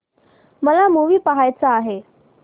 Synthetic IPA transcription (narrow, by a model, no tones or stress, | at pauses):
məlamuʋiːpəɦajt͡saːɦe